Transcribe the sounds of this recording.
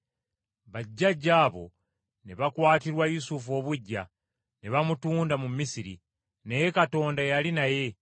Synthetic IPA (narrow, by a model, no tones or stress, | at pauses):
βaɟːaɟːaːβo̞̰ | neβakwaːtiɾwajusufo̞ːβuɟːa̰ | neβamutuːndamumisiɾḭ | nejekato̞ːndajalinaje̞